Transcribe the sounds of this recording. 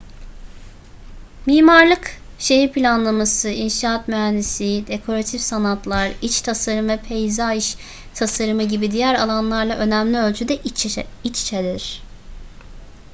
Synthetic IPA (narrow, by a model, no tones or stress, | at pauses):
miːmaɾlˠɯk | ʃe̞ɦiɾpʰilʲanlˠamasɯinʃaːat̪myɦænd̪isid̪e̞kʰo̞ɾat̪ʰifsanat̪lˠaɾit͡ʃt̪ʰasaɾɯmvɛpʰejzaiʃ | t̪ʰasaɾɯmɯɟibid̪ijæɾalˠanlˠaɾlˠaʔø̞næmlʲiølʲt͡ʃʰyd̪ɛit͡ʃt͡ʃʰed̪iɾ̥